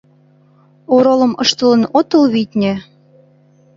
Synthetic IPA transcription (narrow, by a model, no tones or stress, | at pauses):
oɾolɤ̆mɤʃt̪ɤlə̆not̪ɤlβit̪ʲnʲĕ